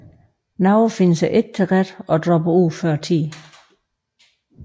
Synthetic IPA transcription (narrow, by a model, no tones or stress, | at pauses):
nɑ̈ʊfe̝nəsæʔe̝d̥̚t͡sʰeʁ̥ad̥ɒ̽d̥ʁɒ̽b̥əuð̰ˠfɶɐ̰t͡sʰḭː